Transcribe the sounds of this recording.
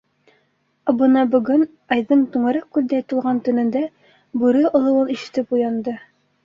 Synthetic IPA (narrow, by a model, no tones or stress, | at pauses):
bɤ̆nɑbɵ̆ɡɵn | ɑjðɤɴt̪uɴɤ̆ɾɑq̚kʉld̪æjt̪ɤ̆lˠʁɑnt̪ɵ̆nɘ̆nd̪æ | bʉɾɘŏlˠɤ̆wɤniʃɘ̆t̪ɘpujɑnd̪ɤ